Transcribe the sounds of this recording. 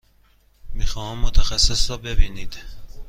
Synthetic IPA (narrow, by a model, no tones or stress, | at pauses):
mixɒːhæmːot̪ʰæxæsːesɾɔːbe̞biːniːd̪̥